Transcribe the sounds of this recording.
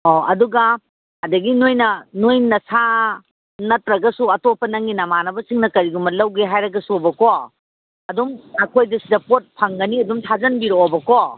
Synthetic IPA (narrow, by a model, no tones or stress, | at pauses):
oɐduɡɐ | ɐdɐɡinojnɐnojnɐsa | nɐtɾɐɡɐsuɐtopʰːɐnɐŋinɐmanɐbɐsiŋnɐkɐɾiɡumɐlɐwɡeɦajɾɐɡɐsubɐko | ɐdumɐkʰojdɐsidɐpot̚pʰɐŋɡɐniɐdumtʰazɐnbiɾoːbɐko